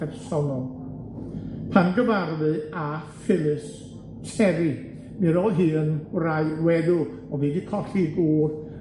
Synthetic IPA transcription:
ɛrsɔnɔlˠ | pʰanɡəvarðɨafɪlˠɨs | tʰɛɾi | mɨɾoːlˠɦɨːənraɨwɛðʊ | ɔviːdikʰɔɬiɡuːð

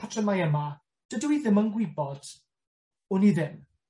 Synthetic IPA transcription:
atʰrəmajəma | d̥əduwiðɪmənɡwɪbɔd̥ | ʊniðɪm

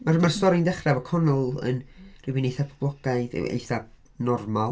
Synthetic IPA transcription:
marmarstɔɾɪndɛχrɛvɔkʰɔnɔlˠə̰nrɪwinejθapʰɔblˠɔɡ̥aɨðɨ̰wḛjθab̚ | nɔrmalˠ

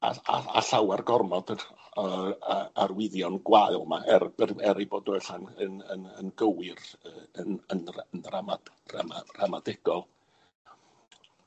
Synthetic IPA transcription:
a̰a̰a̰ɬawɛrɡɔrmɔd̥ | aarwɪðjɔnɡwaɨlˠmaʔɛrbɛɛɾiboːdnuɛɬanənənənɡəwɪrəːənənrənrama | ra̰maramadɪɡ̥ɔlˠ

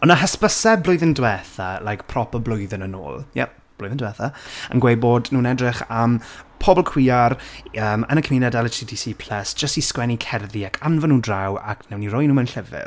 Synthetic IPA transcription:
ɔnaɦəspəsɛblˠʊjðɪndwɛːθalajkpʰrɔpɔblʊjðənəno̰ːlˠja̰ | b̥lʊjðɪndwɛːθaə̰nɡwejbodnuːnɛdrɪχampʰɔbɔlˠkʰw̥iːarəːmə̰nəkʰminadɛlˠətʰidisiːpʰl̥əsd͡ʒ̥əstiskwɛnikʰɛrðiakʰanvənuːdrawa̰kʰnɛwnirɔjnuːmɛnɬəvɪ̰r

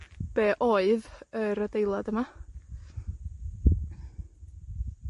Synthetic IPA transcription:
b̥eːʔoɨðəɾədejlˠadəma

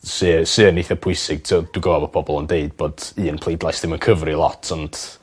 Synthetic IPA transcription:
sɨːsɨːəniθəpʰʊɨsɪɡ̥̚tʰɛd̥uɡəvabɔpʰɔbɔlˠəndeɨd̚bɔːd̥ɨːənpʰl̥ˠejdlˠajsdðɪmənkʰəvrilˠɔ̰tʰɔnd̥

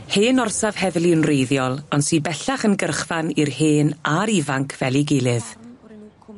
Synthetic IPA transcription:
heːnɔrsav̥hɛðlˠɪənrejðjɔlˠɔnsiːbɛɬaχənɡərχvanirheːnaɾivaŋkʰvɛlˠiɡelˠɨð

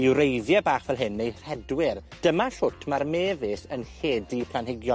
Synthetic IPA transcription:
iwɾejðjabaːχvɛlˠɦɪnːejr̥ɛdwɪrd̥əmaɬʊtʰmarmeːvɪsənheːdipʰlanɦɪɡjɔ

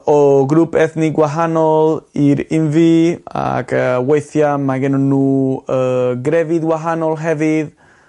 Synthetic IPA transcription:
ɔɡɾupʰɛθniɡwaɦanɔlˠiɾɪnvia̰kʰəwejθjamaɡɛnɔnuːəɡɾɛvɪdɡwaɦanɔlˠɦɛvɪð

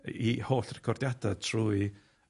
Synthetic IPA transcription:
ihoːɬrɛkʰɔrdjadatʰruːi

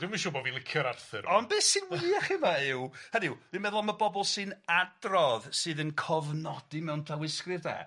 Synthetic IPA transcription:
d̥ɪmanʃuːbɔvilˠɪkʰjɔɾarθɨɾɔnbɛːsɨwiaχɪmaɪwhənɪwvɨnmɛðʊlˠmabɔbɔlˠsɨnadrɔðsɨːðənkʰɔvnɔdimɛwntʰawɪskrɨrda̰ː

